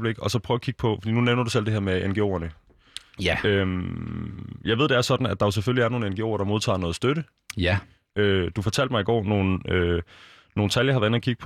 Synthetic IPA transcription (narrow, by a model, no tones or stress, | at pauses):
b̥le̝ɡ̥ɒ̽sɒ̽pʰʁœːʊːkʰiɡ̥̚pʰɒ̽fɒ̽d̥ḭːnuneʊnɐd̥usel̰d̥e̝heæɐmeenɡ̥e̝o̰ɐnə | øm | jɑ̈ɪe̝ð̞̰ˠd̥eæɐsɒ̽d̥n̩æd̥ɑ̈jos̬eføliæɐno̝ːn̩enɡ̥e̝oʊ̰ɐɾ̥ɑ̈mo̝ð̞ˠt͡sʰɑ̰̈ːnɔ̽ːð̩ˠsd̥øɾə | ød̥ufɒ̽t͡sʰæl̰d̥mɑ̈ɪiɡ̥ɒ̰ːno̝ːn̩ø | no̝ːn̩t͡sʰæljɐhɑ̈ʋɐenɐkʰiɡ̥ə̥pʰ